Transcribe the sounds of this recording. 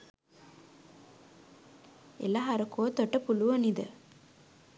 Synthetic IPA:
ḛlaɦɐɾɐkoːt̪oʈːɐpuluʋɐnid̪ə̰

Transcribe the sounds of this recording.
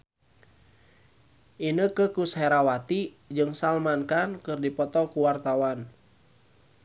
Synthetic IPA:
ʔinəkəkushɛɾawat̪i | d͡ʒɨŋsalmankankɨrdipɔt̪ɔkuwart̪awan

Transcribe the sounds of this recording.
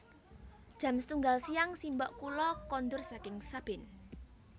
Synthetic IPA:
d̥ʒ̥ä̤mst̪uŋɡalsijaŋsimbɔʔkulɔkɔnd̪ʊrsakɪŋsab̥ɪn

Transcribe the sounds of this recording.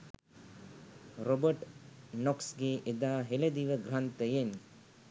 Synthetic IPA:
ɾobəʈnɔksɡeʔed̪aːɦeled̪iʋəɡɾant̪əjen

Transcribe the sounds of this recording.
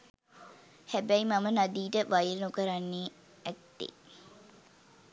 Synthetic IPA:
hæbæimamənad̪iːʈəʋajɾənukəɾanːeː | ɛt̪ːḛ

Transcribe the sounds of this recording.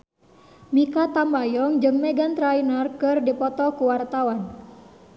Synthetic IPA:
mikat̪ambajɔŋd͡ʒɨŋmɛɡant̪ɾainarkɨrdipɔt̪ɔkuwart̪awan

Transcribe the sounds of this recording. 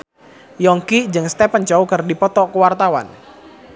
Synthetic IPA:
jɔŋkid͡ʒəŋst̪ɛpənt͡ʃɔukərdipɔt̪ɔkəwart̪awa̰n

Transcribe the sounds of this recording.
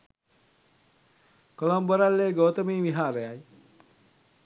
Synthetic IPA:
kolomboɾalːeːɡoːt̪əmiːʋiɦaːɾəjaj

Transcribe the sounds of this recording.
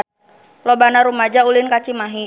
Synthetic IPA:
lɔbanaɾumad͡ʒaulɪnkat͡ʃimaɦi

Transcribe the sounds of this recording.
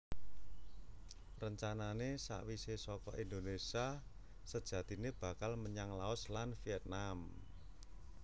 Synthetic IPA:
rəɲt͡ʃananesa̰ʔwisesɔkɔʔind̪onesia | səd̥ʒ̥ä̤t̪ineb̥a̤kalməɲaŋlaʊslanfiɛt̪̚nam

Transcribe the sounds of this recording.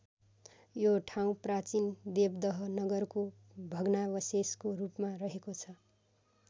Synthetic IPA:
joʈʰaw̃prat͡sind̪ebd̪ʌɦʌnʌɡʌrko | bʱʌɡnabʌseskorupmarʌɦekot͡sʰʌ

